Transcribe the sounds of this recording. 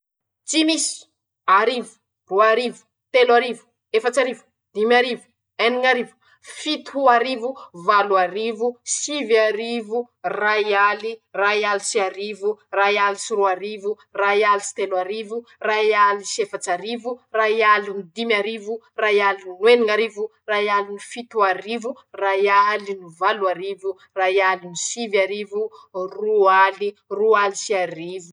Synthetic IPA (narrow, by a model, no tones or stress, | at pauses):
t͡simisi̥ | aɾivu̥ | ruaɾivu̥ | t̪elwaɾivu̥ | efat͡ʃaɾivu̥ | d̪imaɾivu̥ | eniŋaɾivu̥ | fit̪uaɾivuvaluaɾivusiviaɾivu | rajalirajalisiaɾivurajalisiɾuaɾivu | rajalisi̥t̪elwaɾivurajalisefat͡ʃaɾivurajalinid̪imaɾivu | rajalinnweniŋaɾivu | rajalinifit̪uaɾivu | rajalinuvaluaɾivu | rajalinisivaɾivurualirualisiaɾivu